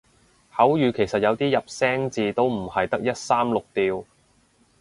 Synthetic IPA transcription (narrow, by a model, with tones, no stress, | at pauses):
hɐ˨˥wjyː˨kʰe˨˩jsɐ˨t̚jɐ˨˧wt̪iː˥jɐ˨p̚sɛː˥ŋt͡siː˧t̪o˥wm̩˨˩hɐ˨jt̪ɐ˥k̚jɐ˥t̚saː˥mlʊ˨k̚t̪iː˧w